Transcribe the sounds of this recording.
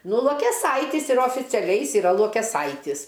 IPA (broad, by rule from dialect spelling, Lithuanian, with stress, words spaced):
ˈnʊ lˠuɔkʲɛˈsɐɪtʲɪs ɪr oːfʲɪt͡sʲɛˈlʲɛɪ ˈjɪs iːˈrɐ lˠuɔkʲɛˈsɐɪtʲɪs